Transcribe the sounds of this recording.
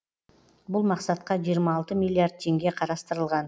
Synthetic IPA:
bʊlˠmɑqsɑt̪̚qɑʒijəɾmɑːlˠt̪əmʲijlʲˠiaɾd̪̚t̪ʰe̞ŋɡʲe̞qʰɑɾɑst̪əɾəlˠʁɑn

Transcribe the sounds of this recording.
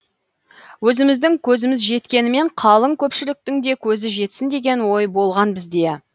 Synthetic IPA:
wɵzɪmɪzd̪ɪŋkʲʰɵzɪmɪzʒe̞t̪kʲe̞nɪme̞ɴqʰɑlˠəŋkʲʰɵpʃɪlɪk̚t̪ɪŋd̪e̞kʲʰɵzɪʒe̞t̪sɪnd̪e̞ɡʲe̞nwo̞jbo̞lˠʁɑnbɪzd̪e̞

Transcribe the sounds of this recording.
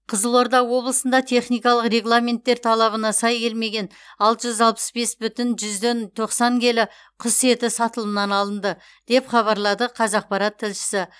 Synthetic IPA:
qʰəzəlˠo̞ɾd̪ɑwo̞blˠəsənd̪ɑt̪ʰe̞χnijkɑlˠəqre̞ɡlˠamʲe̞nt̪ːe̞ɾt̪ʰɑlˠɑβənɑsɑjkʲʰe̞lme̞ɡʲe̞n | ɑlˠt̪əʒʏzɑlˠpə̥sbe̞sbʏt̪ɪnʒʏzd̪e̞nt̪ʰo̞qsɑŋkʲʰe̞lɪ | qʰʊse̞t̪ɪsɑt̪əlˠəmnɑnɑlˠənd̪ə | d̪̥e̞pχɑβɑɾlˠɑd̪əqʰɑzɑq̚pɑɾɑt̪ʰːɪlʃɪ̥sɪ

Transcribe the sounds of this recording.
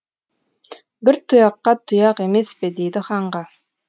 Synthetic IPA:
bɪɾt̪ʰʊjɑqːɑt̪ʰʊjɑqemespɪd̪ejd̪ɪχɑɴʁɑ

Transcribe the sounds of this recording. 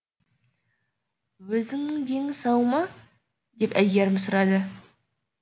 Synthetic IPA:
wɵzɪŋnɪŋd̪eŋɪsɑwmɑ | d̪e̞pæjɡʲeɾmɪsʊɾɑd̪ə

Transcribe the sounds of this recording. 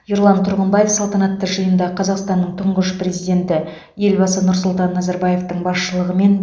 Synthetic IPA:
joɾlˠɑnt̪ʰʊɾʁənmbɑjefsɑlˠt̪ɑnɑt̪ːəʒəjənd̪ɑqʰɑzɑqst̪ɑnːəɴt̪ʰʊɴʁəʃpre̞zijd̪ʲe̞nt̪ɪ | je̞lbɑsənʊɾsʊlˠt̪ɑnːɑzɑɾbɑje̞ft̪əɴbɑsʃəlˠəʁəme̞n

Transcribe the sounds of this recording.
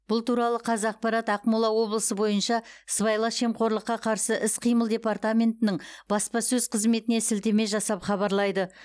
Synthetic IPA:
b̥ʊlˠt̪uɾɑlˠəqʰɑzɑq̚pɑɾɑt̪ɑqmulˠɑwo̞blˠəsəbo̞jənʃɑsbɑjlˠɑʃe̞mqʰo̞ɾlˠəqːɑqʰɑɾsəʔɪsqʰijməlˠd̪ʲe̞part̪amʲe̞nt̪ɪnɪɴb̥ɑspɑsɵzqʰəzme̞t̪ɪne̞sɪlt̪e̞me̞ʒɑsɑpχɑβɑɾlˠɑjd̪ə

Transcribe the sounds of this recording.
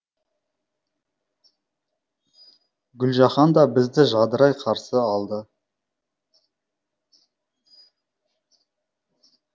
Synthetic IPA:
ɡʲʏlʒɑχɑnd̪ɑbɪzd̪ɪʒɑd̪əɾɑjqʰɑɾsəɑlˠd̪ə

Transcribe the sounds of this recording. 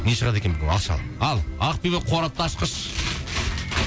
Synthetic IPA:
neʃəʁɑd̪e̞kʲebɪɡʲewɑ̰ʃɑ̰lˠ | ɑlˠɑqpibeqʰoɾɑt̪ːɑːʃqəʃ

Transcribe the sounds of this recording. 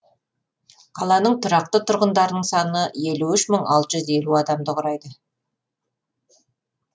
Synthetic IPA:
qʰɑlˠɑnəɴt̪ʰʊɾɑq̚t̪ət̪ʰʊɾʁənd̪ɑɾənəɴsɑnəje̞luʏʃməɴɑlˠt̪əʒʏze̞luɑd̪ɑmd̪əqʰʊɾɑjd̪ə

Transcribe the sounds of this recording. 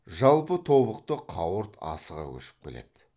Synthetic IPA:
ʒɑlˠpət̪ʰo̞βəqt̪əqʰɑwəɾt̪ɑ̰səʁɑ̰kʲʰɵ̰ʃɪ̥p̚kʲḛle̞̰d̪̥ɪ

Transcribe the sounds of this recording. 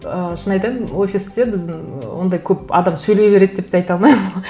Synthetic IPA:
əʃənɑjt̪ɑwo̞fʲɪst̪ebɪzd̪ɪŋwo̞̰nd̪ɑjkʲʰɵpɑ̰d̪ɑmsɵjle̞jbe̞ɾe̞d̪̚d̪e̞p̚t̪ɑjt̪ɑlˠmɑjm

